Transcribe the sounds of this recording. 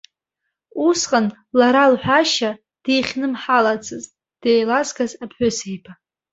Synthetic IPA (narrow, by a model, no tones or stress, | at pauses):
usqʼan | laɾalħʷᶣaʃa | d̥ejχʲnɨmħalat͡sʰʼɨz | d̥ejlazɡazapʰħʷᶣʊsejpʰa